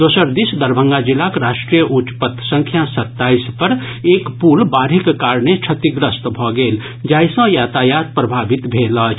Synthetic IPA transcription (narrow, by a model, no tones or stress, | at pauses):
d̪oːsəɾd̪isd̪əɾbʱə̃ŋɡad͡ʒilakɾaʃʈɾijəʔut͡ʃpət̪sə̃ŋkʰjasət̪ːaispəɾ | ekpulbaɾikːaɾɳet͡ʃʰət̪iɡɾəst̪bʱɔɡeːl | d͡ʒaːjsə̃jat̪ajat̪̚pɾəbʱabit̪bʱelət͡ʃʰ